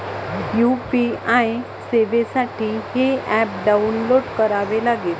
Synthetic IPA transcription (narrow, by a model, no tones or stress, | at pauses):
jupiaj | seʋesaʈʰiːheɛp̚ɖaunloɽkəɾaʋelaɡel